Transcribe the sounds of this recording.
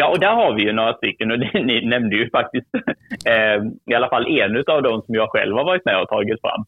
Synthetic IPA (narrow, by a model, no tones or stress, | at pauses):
jɑːʔɔd̪æɾɦaɾvɪjɵnoːɾast̪ʏkːənɔd̪ɛnɪnɛmd̪əjɵfak̚t̪ɪst̪ | ɪalafalːʔeːnʉ̟ːt̪avd̪ɔmsɔmjɑːɡɧɛ̰lvhaɾvɑːɾɪt̪mɛ̰ːɔt̪ʰɑːɡɪt̪fɾa̰mː